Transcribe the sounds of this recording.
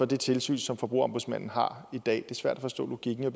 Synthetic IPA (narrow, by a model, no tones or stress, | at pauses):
ɒ̽d̥e̝t͡sʰe̝lsy̰ːnsɒ̽mfɒ̽b̥ʁṵɐɒ̽mb̥uðˠsmæn̰n̩ɦɑ̈id̥ɛ̰ːd̥e̝sʋæɐ̰d̥æfɒ̽sd̥ɔ̰̽ːlo̝ɡ̥iɡ̥n̩ʋe̝b